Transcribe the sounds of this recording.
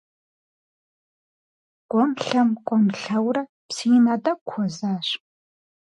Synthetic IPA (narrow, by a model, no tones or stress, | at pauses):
kʷʼɔmɬɐmkʷʼɔmɬɐwrɐ | psijɪnaːdɐkʷʰɔzaːɕ